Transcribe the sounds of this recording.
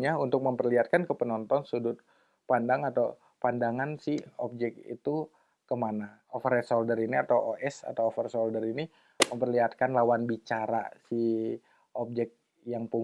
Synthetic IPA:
ɲaunt̪ʊk̚məmpərliat̪̚kankəpənɔnt̪ɔnsudʊt̪̚ | pandaŋat̪aw | pandaŋansɪhop̚d͡ʒɛkḭt̪u | kəmanaofəɾɛsoldəriniat̪awoʔɛsa̰t̪awofərsoldəɾini | məmpərliat̪̚kanlawanbit͡ʃaɾa̰si | ʔop̚d͡ʒɛk̚ | jaŋpu

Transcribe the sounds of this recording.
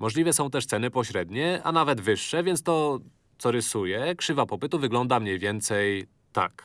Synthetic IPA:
mɔʐlʲivɛsɔ̃w̃t̪ɛʂt̪sɛnɘpɔɕɾɛd̪ɲɛa̰navɛd̪vɘʂːɛvʲjɛnt̪t̪ɔ | t̪sɔɾɘsujɛkʂɘvapɔpɘt̪uvɘɡlɔnd̪amɲejvʲjɛnt̪sɛj | t̪a̰k

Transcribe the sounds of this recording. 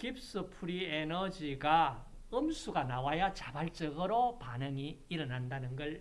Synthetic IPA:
kip̚s͈ɯpʰuɾienʌd͡ʑiɡa | ɯmsʰuɡanawajʌt͡ɕabaɭt͡ɕ͈ʌɡɯɾopanɯŋiːɾʌnandanɯnɡʌɭ

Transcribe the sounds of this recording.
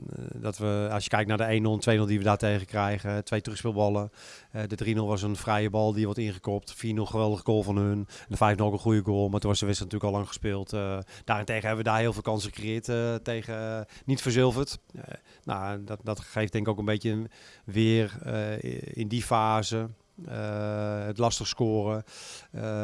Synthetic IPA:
dɔtʋəɑsjə̥kɛjk̚tnaːdəejnolˠtʰʋejnɵlˠdiʋədaːtejɣəkrɛjɣəɛtʋejtrɵxspɪlˠbɔlˠə | ɛdədrinølˠʋɔs̬ənfrɛjəbɔlˠdiəʋɔɹtɪnχəkɔp̚tfiːnəlˠχəʋɛlˠdəɣəɡoːlˠfɔnɦɵnndəfɛjfnolˠokənχujəɡoːlˠmatunʋɔsəʋɪstəntyːləkɔlɑŋχə̥spɪːlˠtd̥aːrɪntejɣəɦɛbəʋədaːɦɪːlˠvɪːlˠkɑnsəχəkrejɪːttejɣənitfəɹzɪlˠvərt | no̰dɔtxejf̚dɛŋkɪkowkənbejtjəʋɪər̰ | ɪ̰ndifaːzə | ətlɑstəχskoːrə

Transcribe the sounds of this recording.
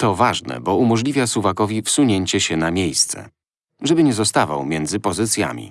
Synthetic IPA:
t̪ɔvaʐnɛ̰bɔumɔʐlʲivʲjasuvakɔvʲifsuɲeɲt͡ɕɛɕɛnamʲjejst̪sɛ̰ | ʐɛbɘɲɛzɔst̪ava̰wmʲjɛnd̪zɘpɔzɘt̪sʲja̰mʲḭ

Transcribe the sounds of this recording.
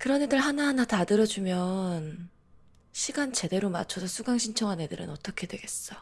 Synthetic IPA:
kɯɾʌnedɯɭɦanaɦanatadɯɾʌd͡ʑumjʌn | ɕʰiɡant͡ɕe̞de̞ɾoma̰t͡ɕʰosʰʌsʰuɡaŋɕʰint͡ɕʰʌŋane̞dɯɾɯ̰nʌt͈ʌkʰe̞dwe̞ɡe̞s͈ʌ

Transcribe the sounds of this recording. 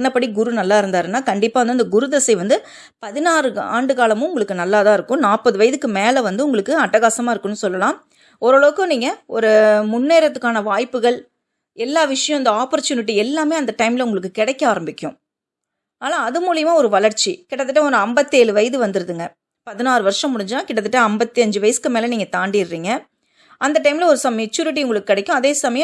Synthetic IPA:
nːɐpːɐɽiɡʊɾunɐlːaːɪɾɯnd̪aːɾɯnːaːkɐɳɖɪpːaːʋɐnd̪ɯɐnd̪ɐɡʊɾʊðɛsɐɪʋɐnd̪ɯ | pɐðɪnaːɾɯa̰ːɳɖɯkaːlɐmʊ̃ʊŋɡɐɭɯkːɯnɐlːaːðãːɪɾɯkːʊ̃naːpɐðɯʋɐjɐðɯkːɯmeːlɐʋɐnd̪ɯʊŋɡɐɭɯkːɯɐʈːɐɣaːsɐmaːɪɾɯkːɯnːɯsɔlːɐlãː | ɔɾɔɭɐʋɯkːɯ̃niːŋɡɐɔɾɯmʊnːeːɾɐt̪ːɯkːaːnɐʋaːjpːɯɣɐɭ | ɛlːaːʋɪʂɐjɐ̃ɐnd̪ɐaːpɔɾt͡ʃːjuːnɪʈ̬ːiɛlːaːmeːɐnd̪ɐʈɐɪmlɐʊŋɡɐɭɯkːɯkɪɽɛkːɐaːɾɐmbɪkʲːʊ̃ | aːnãːɐðɯmuːlɪjɐmaːɔɾɯʋɐɭɐɾt͡ʃːikɪɽɐt̪ːɯʈːɐɔɾɐmbɐt̪ːeːlɯʋɐjɐðɯʋɐnd̪ɯɾɯðɯŋɡɐ | pɐðɪnaːɾɯʋɐɾʂɐ̃mːʊɽɪɲd͡ʒnãːkɪɽɐt̪̬ːɯʈːɐɐmbɐt̪ːiɐɲd͡ʒɯʋɐjɐsɯ̥kɯmeːlɐniːŋɡɐt̪aːɳɖijɾɾiːŋɡɐ | ɐnd̪ɐʈːɐɪmlɐɔɾɯsɐmɛt͡ʃːuːɾɪʈ̬ːiʊŋɡɐɭɯkːɯkːɪɽɛkʲːʊ̃ɐðeːsɐmɐjɐ̃

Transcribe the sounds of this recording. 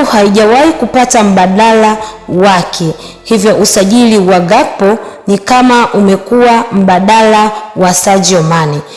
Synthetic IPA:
uhaiʄawaikupatam̩ɓaɗalawakʰɛ | hivjɔʔusaʄiliwaɡapɔnikamaʔumɛkuwam̩ɓaɗalawasad͡ʒiɔmani

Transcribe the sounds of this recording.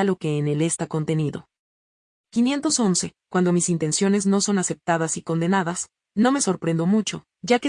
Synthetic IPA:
alo̞ke̞ːnele̞st̪ako̞nt̪e̞niðo̞̰ | kinje̞nt̪o̞so̞nse̞kwand̪o̞misint̪e̞nsjo̞ne̞zno̞so̞nase̞p̚t̪að̞asiko̞nd̪e̞naðas | no̞me̞so̞ɾpɾe̞nd̪o̞mut͡ʃo̞ | ʝake

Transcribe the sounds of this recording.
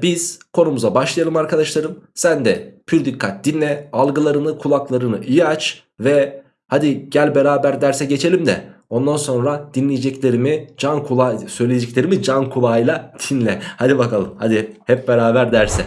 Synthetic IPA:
biz̥kʰo̞numuzabaʃlˠajalˠɯmaɾkʰad̪aʃlˠaɾɯmsænd̪ɛpʰyɾd̪ikʰːat̪̚d̪inlʲɛalˠɡɯlˠaɾɯnɯkʰulˠaklˠaɾɯnɯʔijiat͡ʃ | vɛ | had̪iɟælʲbeɾaːbæɾd̪æɾsɛɟe̞t͡ʃʰe̞lʲimd̪ɛ̰ | o̞nd̪anso̞nɾad̪̥inlʲijed͡ʒɛclʲe̞ɾimid͡ʒankʰulˠasø̞jlʲejed͡ʒɛclʲeɾimid͡ʒankʰulˠaːjlˠad̪̥ʰinlʲɛhad̪ibakʰalˠɯmhad̪ihɛp̚beɾaːbæɾd̪æɾsɛ

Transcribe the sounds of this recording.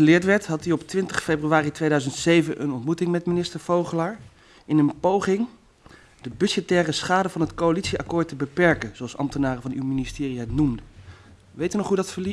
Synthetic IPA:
əlɪːɹtʋɛɹtɦɑtiɔptʋɪntəχfejbryaːritʋejdœɥzəntsejvənʔə̰nɔntmutɪŋmɛtminɪstəɹv̥owχəlaːɹ | ɪnənpowχɪŋ | dəbɵsətɛːrəsχaːdəvɑnətkowalitsiɑkʊːɹtəbəpɛɹkənzoɑlˠsɑ̰mtənaːrəvɑnywministɪːriɛtnumdə | ʋejtynɔχɦudɑtfəɹli

